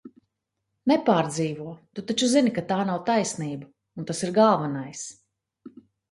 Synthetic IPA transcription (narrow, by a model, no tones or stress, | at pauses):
nɛpaːɾd̪ziːvuɔt̪ut̪at͡ʃuzinikat̪aːnawt̪ajsniːba | unt̪asiɾɡalˠvanajs